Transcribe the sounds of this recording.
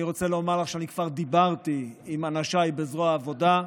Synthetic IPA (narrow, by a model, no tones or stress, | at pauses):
iʁo̞t͡seleomaʁlaχʃeanikv̥aʁd̪ibaʁt̪iimanaʃaibezʁoaːvo̞da